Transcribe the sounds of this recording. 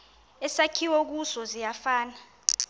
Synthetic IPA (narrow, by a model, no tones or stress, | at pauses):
ɛsakʰiwok̬usɔzijafaːna